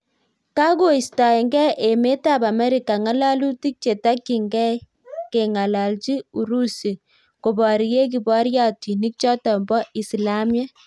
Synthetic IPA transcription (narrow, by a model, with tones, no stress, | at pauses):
ka˦ko˦˨i˨sta˨e˨ŋɡɛ˦ʔe˨me˦ta˦˨pa˨mɛ˦ɾi˨ka˨ŋa˦la˦lu˦ti˦k̚t͡ʃe˨ta˦kːi˨ŋɡɛ˦ | ke˨ŋa˨la˨lt͡ʃi˦u˨ɾu˦si˨ | ko˨bɔ˨ɾi˨je˦k̬i˨bɔ˦ɾja˦ti˨ni˦k̚t͡ʃɔ˦tɔ˨mbɔ˦ʔi˨sla˦mjɛ˦